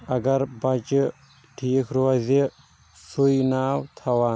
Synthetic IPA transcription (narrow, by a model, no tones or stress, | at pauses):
ɐɡɐɾbɐt͡ʃ | ʈʰiːkʰɾoɐzi | sujnaːwt̪ʰɐwaː